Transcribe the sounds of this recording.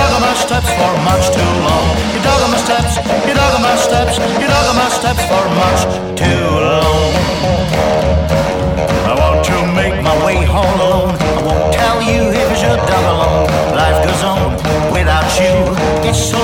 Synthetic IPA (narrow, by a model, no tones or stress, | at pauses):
ɡʌmaɪstɛpsfə˞mʌt͡ʃtʰulɔ̃ŋ | jɨdɑɡʌmastɛps | jɨɾɔɡʌmaɪstɛps | jɨɾɔɡəmaɪstɛpsfə˞mʌt͡ʃ | tʰʉ | lõʊ̃ | aɪwɑ̃ntʰɨmeɪk̚maɪweɪhõʊ̃nõʊ̃n | aɪwõʊ̃ntʰɛlˠjɨ | ɪfɨzjə˞dʌləlɔ̃n | laɪfɡ̥oʊzõʊ̃n | wɪðaʊt͡ʃɨ | ɪtso